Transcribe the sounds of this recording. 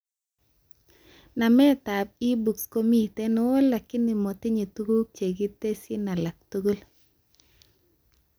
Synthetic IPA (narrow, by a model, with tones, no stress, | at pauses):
na˨mɛ˦ta˨p̚i˦bu˨ksko˦mi˦te˦nʊ˦wɔ˦la˨kɪ˦nɪ˨mɔ˨tɪ˦ɲi˨tu˦ɡo˦k̚t͡ʃe˨ɡi˦te˦sɪ˦na˨la˨k̚tu˦ɡo˦l